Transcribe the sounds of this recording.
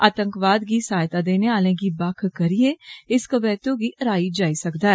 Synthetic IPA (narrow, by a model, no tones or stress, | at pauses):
aːt̪əŋkʋaːd̪ɡiːsaːjt̪aːd̪eːneːaːlẽːɡiːbakʰkəɾieːɪskəbɛːt̪õːɡiːʔəɾaːiːd͡ʒaːiːsəkd̪aːɛ